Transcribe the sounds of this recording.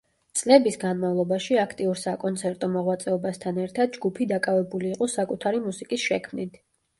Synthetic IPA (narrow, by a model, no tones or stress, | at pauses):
t̪sʼlɛbisɡanmavlˠɔbaʃiakʰt̪ʼiuɾsakʼɔnt̪sʰɛɾt̪ʼɔmɔʁwat̪sʼɛɔbast̪ʰanɛɾt̪ʰad̪̚d͡ʒɡupʰid̪akʼavɛbuliːqʼɔsakʼut̪ʰaɾimusikʼisʃɛkʰmnit̪ʰ